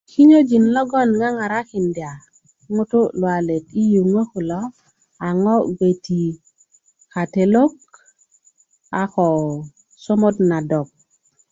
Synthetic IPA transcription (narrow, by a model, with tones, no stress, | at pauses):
ki˦ɲo˦d͡ʒi˨nlo˦ɡo˦nŋa˦ŋa˨ɾa˦ki˨ndi˨a˨ | ŋu˦tu˦lwa˨le˨ti˦ju˨ŋo˦ku˨lo˦ | a˨ŋo˦ɡe˨ti˨ | ka˨te˨lo˦k̚ | a˨xo˨ | so˦mo˦tna˨do˨k̚